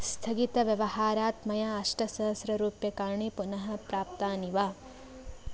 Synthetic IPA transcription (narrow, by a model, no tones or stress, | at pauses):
st̪ʰɐɡit̪ɐʋjɐʋɐhaːɾaːt̪mɐjaɐʂʈɐsɐɦɐsɾɐɾuːpjɐkaːɾɳipunɐɦɐpɾaːp̚t̪aːniʋaː